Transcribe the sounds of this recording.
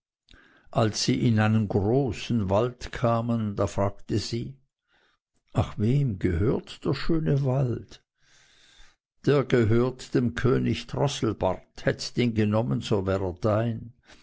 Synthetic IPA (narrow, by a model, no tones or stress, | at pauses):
ʔalsːiːʔɪnʔaɪnənɡʁoːsn̩valtkʰaːmənd̥aːfʁ̥aːktəziː | ʔaχveːmɡəhøːɐtd̥eːɐʃøːnəvalt | d̥eːɐɡəɦøːɐtd̥emkʰøːnɪçtʁ̥ɔsl̩ba̰ʁthɛtəd̥eːnɡənɔmənzoːvɛːʁed̥aɪn